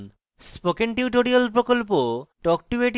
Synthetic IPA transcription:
n | spokeɳʈiʈoɾialpɾokolp̬oʈɔk̚ʈieʈ

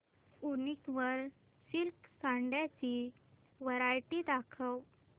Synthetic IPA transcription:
unikʋəɾ | silksaɳɖjat͡ɕi | ʋəɾajʈid̪akʰəw

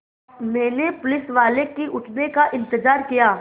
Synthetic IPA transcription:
mɛ̃ːnepʊlɪsʋaːlekiʔʊʈʰnekaʔɪ̃nt̪ɪzaːɾkijaː

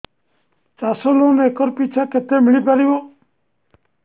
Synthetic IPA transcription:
t͡ʃaːsoloneeːkɔɾpit͡ʃʰaket̪emɪɭipaɾiʋo

